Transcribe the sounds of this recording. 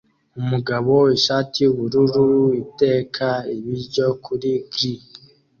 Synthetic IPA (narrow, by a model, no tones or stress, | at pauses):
umuɡaβo̞iʃaːtʰiuβuɾuɾuite̞ːkʰaiβiɾɟo̞kʰuɾiɡɾik